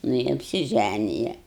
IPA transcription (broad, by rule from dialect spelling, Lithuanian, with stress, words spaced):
nʊ ɪ ɐpʲsʲɪˈʒʲænʲɪjɛ